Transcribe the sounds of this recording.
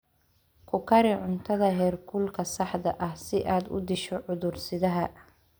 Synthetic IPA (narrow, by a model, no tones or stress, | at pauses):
kʰʊkʰɐɾɪʕʊnt̪ʰɐðɐɦɛːrkʰʊlkʰɐsɑħd̪ɐʔɐhsɪʔaːd̪ʊ̰d̪ɪʃɔʕʊðʊrsɪðɐɦɐ